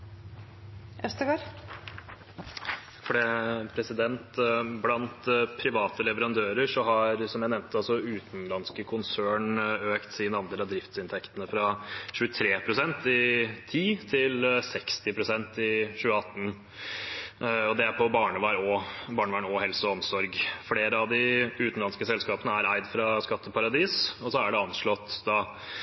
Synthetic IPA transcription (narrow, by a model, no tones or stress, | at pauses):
ɛst̪əɡoːɾ | fɔɖɛpʰɾɛsɪd̪ɛnt̪blɑnt̪pʰɾɪʋɑːt̪əlɛʋəɾɑnd̪øːɾəʂɔɦɑɾsɔmjæɪɛmnt̪ʰəɑlsɔʉːt̪nlɑnskəkʰʊnsøːɳøːkt̪siːnɑnd̪eːlɑd̪ɾɪft̪sɪnt̪ʰɛkt̪ənəfɾɑʃʉːət̪ʰɾeːpʰɾʊsɛnt̪ɪt̪ʰiːt̪ʰɪlsɛkst̪ɪpʰɾʊsɛnt̪ɪɕʉːəɑt̪ːn | ɔd̪ɛæɾpʰɔbɑːɳəʋɑːɾɔbɑːɳəʋɑːɳɔɦɛlsəɔmsɔɾɡfleːɾəɑʋd̪ɪʉːt̪n̩lɑnskəsɛlskɑːpənəæɾæɪd̪fɾɑskɑt̪ːəpʰɑɾɑd̪iːsɔsɔæɖɛɑnʂɭɔt̪ːd̪ɑː